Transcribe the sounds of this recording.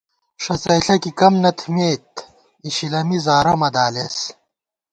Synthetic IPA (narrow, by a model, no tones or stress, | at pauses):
ʂɐt͡sɐjɬɐkikɐmnɐt̪ʰmeːt̪ | iɕilɐmizaːɾɐmɐd̪aːles